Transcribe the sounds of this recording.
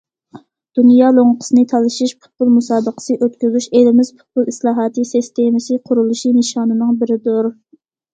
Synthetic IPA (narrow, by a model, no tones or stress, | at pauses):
d̪̥unjɑːlˠoŋəqʰə̥sɨnɨt̪ʰɑlˠɨʃiʃpʰʊ̥t̪̚pʰulˠmusɑːbəqʰə̥sɨʔøt̪kʲyzyʃelɪmɪz̥pʰʊ̥t̪̚pʰulˠislˠɑːɦɑːt̪ɨsist̪ʰemɪsɨqʰʊɾulˠuʃinɨʃɑːnɨnɨŋbɪɾɪd̪uɾ